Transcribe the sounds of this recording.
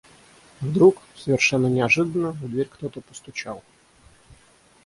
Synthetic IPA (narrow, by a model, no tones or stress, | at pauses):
vd̪ɾuksəvʲɪrʂɛnːənʲɪɐʐɨd̪ənːəd̪vʲeɾʲkt̪ot̪əpə̥st̪ʊt͡ɕa̰lˠ